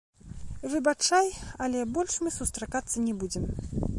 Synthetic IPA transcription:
vɨbat͡ʂajɐlʲɛbɔlʲʂmɨsust̪ɾakat̪sːɐnʲɛbud͡zʲɛm

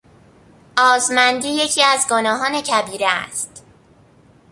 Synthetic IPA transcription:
ʔɒːzmænd̪iːje̞cʰiːæzɡo̞nɒːɦɒːne̞cʰæbiːɾeæ̰st̪

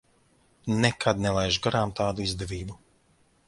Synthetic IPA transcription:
nɛkad̪nɛlˠajʒɡaɾaːmt̪aːd̪uizd̪ɛvʲiːbu

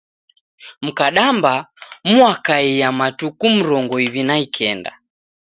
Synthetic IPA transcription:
m̩kaɗambamuakaijamatukum̩ɾɔŋɡɔiβinaikʰɛnda̰

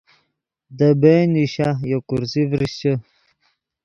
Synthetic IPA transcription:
d̪əbeniɕajokuɾzivɾiɕt͡ɕə

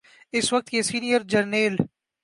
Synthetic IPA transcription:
ɪsʋɐk̚t̪jesiːnijəɾd͡ʒɐɾneːl

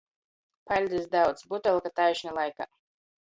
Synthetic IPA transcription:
palʲd̪ɨsd̪awt̪sbut̪ɛlˠkat̪ajʃnalˠajka̰

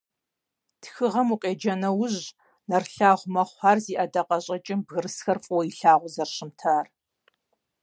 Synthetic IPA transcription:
tʰxɨʁɐmuqʼeːd͡ʒɐnɐwʊʑ | nɐrɬaːʁʷmɐχʷɑːrziːʔɐdɐqʼɐɕʼɐt͡ʃʼɪmbɣɨrɨsxɐrfʼwɔiɬaːʁʷʊzɐrɕɪmtʰaːr

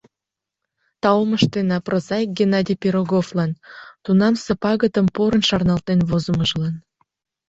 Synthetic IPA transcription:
t̪ɑoməʃt̪enɑprozɑjk̚ɡʲenɑd̪ʲipʲeɾoɣovlɑnt̪unɑmsəpɑɣət̪əmpoɾənʃɑrnɑlt̪enβozə̆məʒlɑn

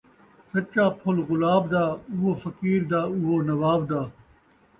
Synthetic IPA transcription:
sɐt͡ʃaːpʰʊlɣʊlaːbd̪aːʊɦoːfɐkiːɾd̪aːʊɦoːnɐʋaːbd̪aː

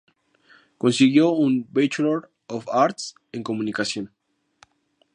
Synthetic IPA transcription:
ko̞nsiɣjounbet͡ʃloɾ | ofaɾt̪s | eŋko̞mũnikasjon

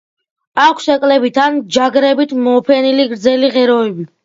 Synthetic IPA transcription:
akʷʰsɛkʼlɛbit̪ʰand͡ʒaɡɾɛbit̪ʰmɔːpʰɛniliɡɾd̪zɛliʁɛɾɔɛbi

